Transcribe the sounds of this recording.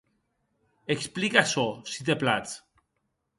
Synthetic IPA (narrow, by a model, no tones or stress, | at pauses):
eksplikɐsosit̪̬eplat͡s